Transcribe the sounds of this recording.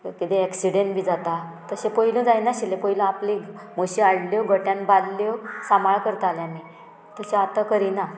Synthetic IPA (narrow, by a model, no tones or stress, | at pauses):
kit̪eɛksiɽeɳʈbʱiːd͡zat̪a | t̪əɕẽpəɦilə̃d͡zajnaɕilẽpəilə̃aplimoɕiaɽloɡʱəʈjãnballosamaɭkəɾt̪aljami | t̪əɕeat̪akəɾina